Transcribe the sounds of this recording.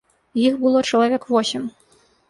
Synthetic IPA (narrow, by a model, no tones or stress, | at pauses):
jixbɨlˠɔt͡ʂɐlˠavʲɛkvɔsʲim